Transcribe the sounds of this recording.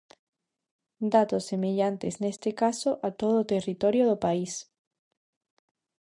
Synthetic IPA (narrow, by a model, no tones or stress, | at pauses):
d̪at̪osːemeʎant̪eznest̪ekasoʔat̪oðoːt̪erit̪oɾjoðopais